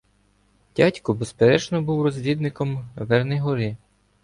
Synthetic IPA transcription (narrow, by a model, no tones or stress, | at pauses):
dʲatʲkɔbespeɾɛt͡ʃnɔbuwrɔzʲʋʲid̪nɪkɔmʋɛrnɛjɦɔɾɪ